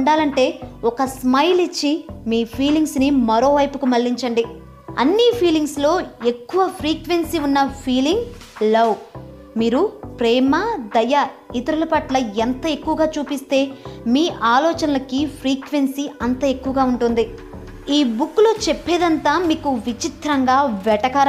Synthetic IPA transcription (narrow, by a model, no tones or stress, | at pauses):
ɳɖaːlɐɳʈe̞ːɔkɐsmɐjlit͡ʃːimiːpʰiːliŋɡsnimɐɾo̞ːʋɐjpukumɐlːiɲt͡ʃɐɳɖi | ɐ̰nːipʰiːliŋɡslo̞ːe̞kːuʋɐpʰɾiːkʋe̞nsiunːɐpʰiːliŋɡ | lɐw | miːɾupɾɛːmɐd̪ɐjɐ | it̪ɐɾulɐpɐʈlɐent̪ɐe̞kːuʋɐɡaːt͡ʃuːpist̪e̞ːmiːʔaːlɔːt͡ʃɐnɐlɐkipʰɾiːkʋe̞nsiɐnt̪ɐe̞kːuʋɐɡaːuɳʈund̪i | iːbukːlo̞ːt͡ʃepːeːd̪ɐnt̪aːmiːkuʋit͡ʃit̪ɾɐŋɡaːʋɛʈɐkaːɾ